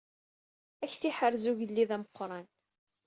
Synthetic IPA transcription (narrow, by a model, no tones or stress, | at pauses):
æçθiħəɾzuʝəlːiðæməqːɾˤɑn